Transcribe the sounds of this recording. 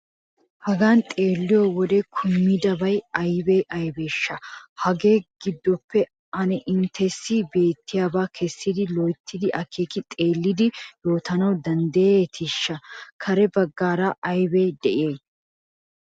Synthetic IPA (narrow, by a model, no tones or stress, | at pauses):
hɐɡaːnt̪ʼe̞ːlːɪjɔwɔd̪ɛkʰʊmːɪd̪ɐbɐjɐjbejʔɐjbeːʃːɐhɐɡeːɡ̥ɪd̪ːɔpːɛ | ɐnɛʔɪnt̪ʰɛsːɪbe̞ːt̪ːɪjaːbaːkʰɛsːɪd̪ɪlɔjt̪ːɪd̪ɪʔɐkʰeːkɪt̪ʼe̞ːlːɪd̪ɪjo̞ːt̪ɐnɐwd̪ɐnd̪ɐjet̪ʰɪʃːɐkʰɐɾɛbɐɡːaːɾaʔɐjbejd̪ɛʔɪjeː